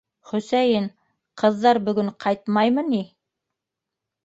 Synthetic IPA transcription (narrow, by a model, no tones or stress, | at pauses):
χɵ̆sæjɘn | qɤ̆ðːɑɾbɵ̆ɡɵɴqʰɑjt̪mɑjmɤni